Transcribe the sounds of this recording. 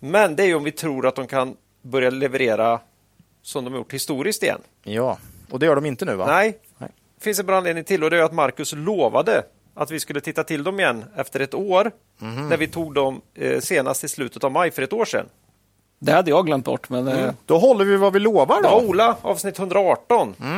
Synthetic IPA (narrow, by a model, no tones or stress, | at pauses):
mɛnd̪ɛæɾjəɔmvɪt̪ʰɾuːɾat̪̚d̪ɔmkʰan | bœɾjalɛvəɾeːɾa | sɔmd̪ɔmajʊ̰ʈːhɪst̪uːɾɪsk̚t̪ɪjɛ̰nː | jɑːɔd̪ɛjœːɖɔmɪnt̪ənʉ̟ːva̰nɛj | fɪns̬ɛnbɾɔːneːd̪nɪŋt̪ʰɪlːɔd̪ɛɾjat̪maɾkɵsloːva̰d̪ə | at̪vɪskɵlːət̪ɪt̪ːat̪ʰɪld̪ɔmɪjɛnːɛft̪əɾɛt̪oːɾ | næɾvɪt̪ʰuːɡ̚d̪ɔmseːna̰st̪ʰɪlslʉ̟ːt̪ət̪avmajːfœɾɛt̪oːʂɛ̰n | d̪ɛhad̪ːəjɑɡlɛmt̪̚bɔ̰ʈːmɛnd̪̥ɔɦɔlːəɾvɪvavɪloːvaɖɔuːlaɑ̰ːvsnɪt̪hɵnd̪ɾaɑːʈɔn